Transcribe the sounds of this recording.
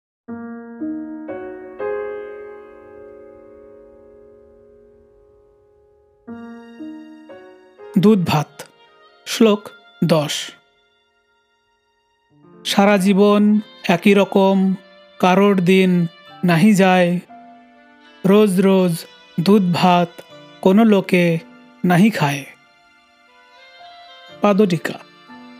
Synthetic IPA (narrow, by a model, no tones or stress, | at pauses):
d̪ud̪̚bʱat̪ | slok | d̪ɔʃ | ʃaɾad͡ʒibɔn | ɛkiɾɔkɔm | kaɾoʈd̪inː | aɦĩd͡ʒaj | ɾod͡ʒɾod͡ʒ | d̪ud̪̚bʱat̪ | konoloke | naɦĩkʰae | pad̪oɖika